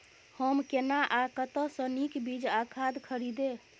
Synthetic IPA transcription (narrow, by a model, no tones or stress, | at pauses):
həmkenaʔakət̪əsə̃nikbid͡ʒakʰad̪kʰəɾid̪e